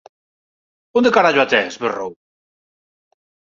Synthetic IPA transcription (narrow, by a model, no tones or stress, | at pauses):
ond̪ekaɾaʒwat̪ɛsβerow